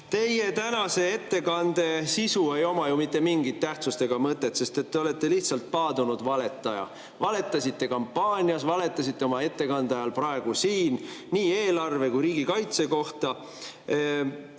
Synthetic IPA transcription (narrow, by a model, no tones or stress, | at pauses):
t̪e̞je̞t̪ænɑse̞e̞t̪ːe̞kɑnd̪̥e̞sisue̞jo̞mɑjumit̪ːe̞miŋɡit̪ːæht̪sust̪e̞ɡ̥ɑmɤt̪ːˑet̪se̞st̪e̞t̪ːe̞o̞le̞t̪ˑːe̞liht̪sɑlt̪̚pɑːd̪unud̪̥vɑle̞t̪ːˑɑjɑ̰ | vɑle̞t̪ːˑɑsit̪ːe̞kɑmpːɑːnʲiɑsvɑle̞t̪ːˑɑsit̪ːˑe̞o̞mɑe̞t̪ːe̞kɑnd̪̥eɑjɑlpɾɑeɡ̥usiːnːiːe̞ːlɑrve̞kujɾiːɡikɑjt̪se̞ko̞ht̪ɑ